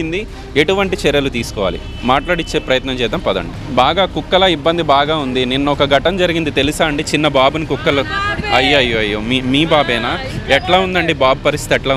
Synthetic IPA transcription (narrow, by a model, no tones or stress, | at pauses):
ind̪i | eʈuʋɐɳʈit͡ʃɛɾjɐlut̪iːsu̥kɔːʋaːlḭ | maːʈlaːɽit͡ʃːe̞ːpɾɐjɐt̪nɐmt͡ʃɛːjt̪ɐmpɐd̪ɐ̰ɳɖibaːɡaːkukːɐlɐibːɐnd̪ibaːɡaːund̪ininːɐɔkɐɡɐʈɐmd͡ʒɐɾiɡind̪it̪e̞lisaːɐɳɖit͡ʃinːɐbaːbunikukːɐlɐɐjːɐjːoɐjːomimiːbaːbɛːnaː | ɛʈlaːund̪ɐɳɖibaːbupɐɾist̪ʰit̪ɛʈlaː